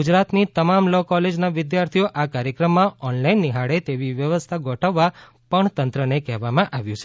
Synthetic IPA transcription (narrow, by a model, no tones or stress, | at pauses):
ɡud͡ʒɾat̪nit̪əmamlɔkɔled͡ʒnaʋɪd̪jaɾt̪ʰijoʔakaɾjəkɾəmːãɔnlainːiɦaɽet̪eʋiʋjəʋəst̪ʰaɡʱɔʈʰəʋːa | pəɳt̪ənt̪ɾənekɛɦʋamãʔaʋjũt͡ʃʰe